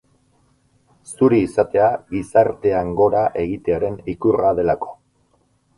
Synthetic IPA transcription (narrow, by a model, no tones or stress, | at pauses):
suɾiːsat̪e̞aɣisaɾt̪e̞aŋɡo̞ɾaʔe̞ɣit̪e̞aɾe̞nikuraðe̞lako̞̥